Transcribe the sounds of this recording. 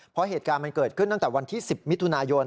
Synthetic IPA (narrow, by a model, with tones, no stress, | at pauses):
pʰɔ˦˥ɦeː˨˩t̪̚kaː˧nma˧nkɤː˨˩t̪̚kʰɯ˥˩nt̪a˥˩t̪ɛː˨˩wa˧nt̪ʰiː˥˩si˨˩p̚mi˦˥t̪ʰu˧naː˧jo˧n